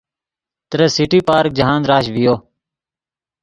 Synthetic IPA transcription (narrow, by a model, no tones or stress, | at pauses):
t̪əɾəsɪʈiːpaːɾk̚d͡ʒəɦãːnɾaːʃʋɪjoː